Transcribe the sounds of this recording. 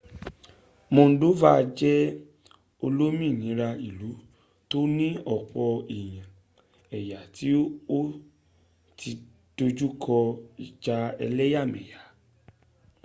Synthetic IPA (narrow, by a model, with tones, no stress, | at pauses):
mõ˧n̩˦do˦va˦˧d͡ʒɛ˦ | o˧lo˦mĩ˦˨nĩ˨˦ɾa˧i˨lu˨˦ | to˦nĩ˦ɔ˨k͡pɔ˧i˨j̃ã˨ | ɛ˨ja˨ti˨˦o˦ | ti˧ | d̥o˧d͡ʒu˦kʰɔ˧i˨d͡ʒa˧ɛ̰˧lɛ˦ja˦˨mɛ̰̃˨ja˨˦